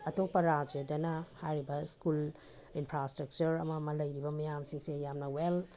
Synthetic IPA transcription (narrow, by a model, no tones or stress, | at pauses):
ɐtok̚pɐɾad͡ʒɐdɐnɐhajɾibɐskul | inpʰɾastɾɐk̚t͡ʃɐɾɐ̰mɐmɐlɐjɾibɐmɐjamsiŋsejamnɐwel